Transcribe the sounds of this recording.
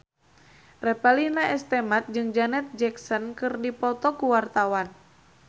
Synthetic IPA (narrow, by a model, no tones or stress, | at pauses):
rɛpalinaɛst̪ɛmat̪̚d͡ʒɨŋd͡ʒanɛt̪̚d͡ʒɛksɔnkɨrdipɔt̪ɔkuwart̪awan